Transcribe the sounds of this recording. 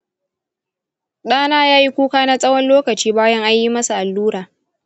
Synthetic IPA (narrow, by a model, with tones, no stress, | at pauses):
ɗaː˦naː˦jaː˦ji˦kʷuː˦kaː˦na˦sʼɐ˦wɐ˦nloː˦kɐ˨t͡ʃiː˦baː˦jɐ˦ŋʔa˦ɲji˦mɐ˦su˨ʔa˨lːuː˦ɾaː˨